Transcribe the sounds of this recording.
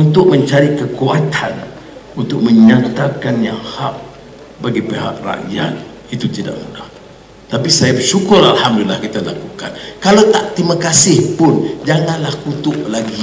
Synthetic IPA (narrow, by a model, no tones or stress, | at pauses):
unt̪ʊk̚mə̃ɲt͡ʃaɾikəkuat̪ʰan | unt̪ʊk̚mə̃ɲat̪akanjaŋhaʔ̚ | baɡipeɦa̰ʔ̚ra̰ʔja̰t̪̚ | it̪ut̪ida̰ʔmudah | t̪apisajabəʃukʊralhamdulilːahkit̪alakuka̰nkalawt̪aʔt̪imakasɪhpʊnd͡ʒaŋanlahkut̪ʊʔlaɡi